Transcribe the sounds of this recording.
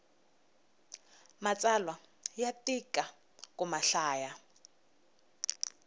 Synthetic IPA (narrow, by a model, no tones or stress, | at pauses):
mat͡sʼalwa | jatʼikʼa | kʼumaɬaːja